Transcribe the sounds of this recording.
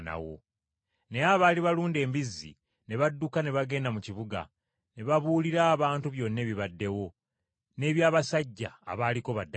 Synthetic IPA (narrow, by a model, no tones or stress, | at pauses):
na̰wo̞̰ | ne̞aβaːliβaluːnde̞ːmbizːḭ | ne̞βadːukane̞βaɡe̞ːndamuciβuɡa̰ | ne̞βaβuːliɾaːβaːntuβjo̞nːe̞ːβiβadːe̞wo̞ | ne̞ːβjaːβasaɟːa̰ːβaːliko̞βadːa